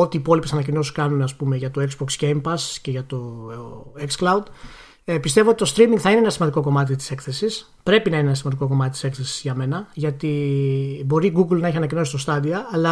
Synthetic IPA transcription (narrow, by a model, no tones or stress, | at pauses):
o̞t̪iːpo̞lipe̞sɐnɐcino̞skɐnuneɐspume̞ʝɐt̪o̞e̞kzbokscejmpɐsce̞ʝɐt̪o̞ | eksklɐud̪ | pist̪e̞voot̪it̪o̞st̪ɾimiŋɡθɐineenɐsimɐnd̪iko̞ko̞mɐt̪̬it̪i̥se̞kθe̞sis | pɾe̞pinɐineenɐsmɐnd̪iko̞ko̞mɐt̪it̪i̥skθe̞si̥zʝɐme̞nɐʝɐt̪i | bo̞ɾiɡuɡlnɐe̞çiɐnɐcino̞sist̪o̞st̪ɐðiɐɐlɐ